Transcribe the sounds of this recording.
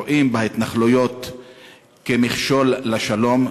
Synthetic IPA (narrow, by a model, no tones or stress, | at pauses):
oʔimbeait̪naχlujo̞t̪ | kemiχʃo̞lːaʃalo̞m